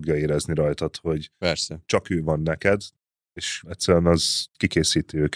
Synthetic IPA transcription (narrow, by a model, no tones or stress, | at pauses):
oɡjɒeːɾɛzniɾɒjt̪ɒt̪ho̞ɟpɛɾsɛt͡ʃɒkøːvɒnːɛkɛd̪ | eːʃɛt̪sɛɾyɛnɒz̥kikeːsiːt̪iøːk